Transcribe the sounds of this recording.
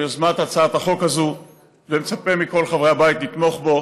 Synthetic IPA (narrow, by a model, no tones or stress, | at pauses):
ozmat̪at͡saat̪aχo̞kazu | vemet͡sape̞miko̞lχavʁeabajit̪nit̪mo̞χbo̞